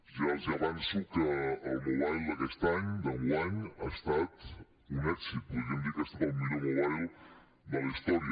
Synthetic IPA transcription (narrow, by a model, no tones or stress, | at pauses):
ʒazəβansukəːlˠmuβajlˠd̪əkɛst̪aɲd̪əɣuaɲast̪at̪ | unɛksip̪uʒənd̪ikəst̪at̪əlmiʎomuβajlˠ | d̪ələist̪ɔɾiə